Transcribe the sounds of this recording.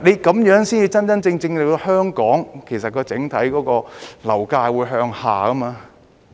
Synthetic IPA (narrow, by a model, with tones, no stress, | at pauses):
ne˨˧jkɐ˨˥mjœː˨˥ŋsiː˥nt͡siː˧t͡sɐ˥nt͡sɐ˥nt͡sɪ˧ŋt͡sɪ˧ŋle˨˧hœː˥ŋkɔː˨˥ŋkʰe˨˩js̬ɐ˨t̚kɔː˧t͡sɪ˨˥ŋt̪ʰɐ˨˥jkɔː˨˥kɔː˧lɐ˨˩wkaː˧jwuː˨˧jɦœː˧ŋha̰ː˨kɐ˥maː˧